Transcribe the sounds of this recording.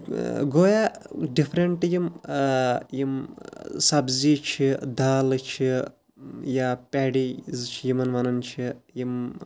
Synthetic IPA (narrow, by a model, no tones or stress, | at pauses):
ɡojaɖipʰɾeɳʈjim | jimsɐbzit͡ʃʰid̪ʱaːlt͡ʃʰi | japʲɛɽizt͡ʃʰijimɐnʋɐnɐnt͡ʃʰijim